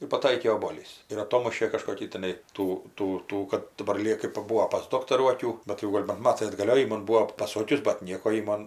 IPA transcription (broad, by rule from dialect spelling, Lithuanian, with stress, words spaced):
ɪr pɐˈtɐɪkʲeː oːboːˈlʲiːs ɪr ɐˈtoːmʊʃʲeː kɐʃkoːˈkʲiː tʲɪˈnɐɪ ˈtuː ˈtuː ˈtuː kɐt dɐˈbɐr lʲiɛ kɜp pɐˈbuːoː pɐs ˈdoːktɐruː ɐˈkʲuː bʲɛt jɛʊ ˈɡoːlʲ bɐn ˈmɑːtɐɪ ɐdɡɐˈlʲoː jɛʊ jɪ ˈmɐn ˈbuːoː pɐˈsoːkʲʊs bɐt ˈnʲiɛkoː jɪ ˈmoːn